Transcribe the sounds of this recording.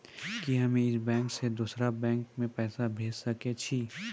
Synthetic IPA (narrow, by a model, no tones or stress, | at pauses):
kiɦɐmẽɪsbɛ̃ːŋksed̪uːsɾabɛ̃ːŋkmẽpɛːsabʱeːd͡ʒsɐket͡ʃʰi